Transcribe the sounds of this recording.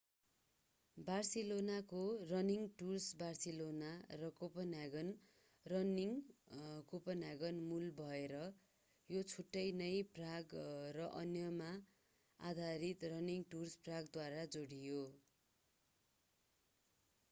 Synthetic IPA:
barselonakorʌniŋʈursbarselonarʌkopʌnaɡʌn | rʌniŋ | kopʌnaɡʌnmulbʱʌeɾʌ | jot͡sʰuʈːʌjnʌjpraɡrʌʔʌnjʌma | a̰d̪ʱaɾit̪rʌniŋʈurspraɡd̪waɾad͡zoɽijo

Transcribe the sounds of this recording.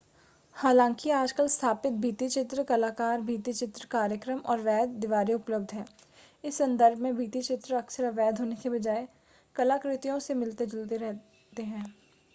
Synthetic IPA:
haːlãːŋkiaːd͡ʒkəlst̪ʰaːpɪt̪̚bʱiːt̪it͡ʃɪt̪ɾəkɐlaːkaːɾbʱiːt̪it͡ʃɪt̪ɾəkaːɾjəkɾəmɔːɾʋɛːd̪ːɪʋaːɾeʊpləb̚d̪ʱɦɛː | ɪsːɐ̃nd̪əɾbʱmẽbʱiːt̪it͡ʃɪt̪ɾəɐksəɾaʋɛːd̪ʱɦoːnekebɐd͡ʒaːe | kɐlaːkɾɪt̪ijõsemɪlt̪ed͡ʒɐlt̪eɾɛɦ | t̪eɦɛ̃ː

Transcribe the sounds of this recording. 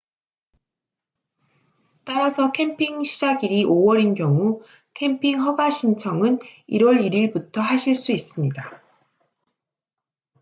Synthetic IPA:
t͈aɾasʰʌkʰe̞mpʰiŋɕʰid͡ʑaɡiɾiʔowʌɾinkjʌŋu | kʰe̞mpʰiŋɦʌɡaɕʰint͡ɕʰʌŋɯniɾwʌɾiɾiɭbutʰʌɦaɕʰiɭs͈uis͈ɯmɲida

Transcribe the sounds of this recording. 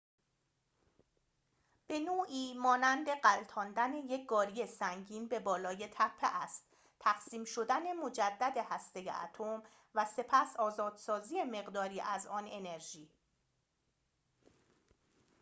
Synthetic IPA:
b̥e̞noːʔiːmɒːnænd̪e̞ɢælt̪ʰɒːnd̪æne̞je̞c̚ʰɡ̥ɒːɾije̞sæŋɟiːnbe̞bɒːlɒːje̞t̪ʰæpʰːeʔæst̪ | t̪ʰæɣsiːmʃo̞d̪æne̞mo̞d͡ʒæd̪ːæd̪e̞hæst̪e̞jḛʔæ̰t̪ʰom | væse̞pʰæsɒːzɒːd̪̥sɒːziːeme̞ɣd̪ɒːɾiːʔæzɒːne̞ne̞ɾʒiː

